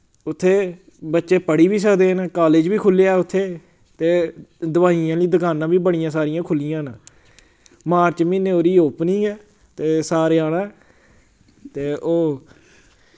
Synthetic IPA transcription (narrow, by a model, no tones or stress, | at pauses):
ʊt̪ʰːeː | bətːʃeːpəɽiːʋiːs̬əkd̪eːnːkaːleːd͡ʒbiːkʰʊlːeaːʊt̪ʰːeː | t̪eːd̪əʋaːijãːliːd̪əkaːnãːbiːbəɽɪjãːsaːɾɪjãːkʰʊlɪjãːnãː | maːɾt͡ʃmĩːneːoːɾiːoːpnĩːɛː | t̪eːsaːɾeːaːɽãː | t̪eːʔoː